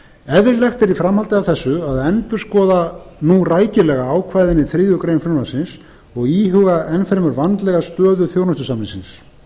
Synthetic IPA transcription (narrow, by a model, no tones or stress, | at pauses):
ɛvɪɾlɛxt̪ɛɾifɾamhalt̪ɪavθɛsːʏaðɛnt̪ʏɾ̥skɔːðanuraːjcɪlɛɣaaːwkʰvaːjðɪnɪθɾɪːðʏkɾejmfɾʏnvasɪns | ɔɣiːɦʏɣaɛnfɛɾmʏɾvant̪lɛɣast̪œːðʏθjoːwnɔst̪ʏsamɪnsɪ̰ns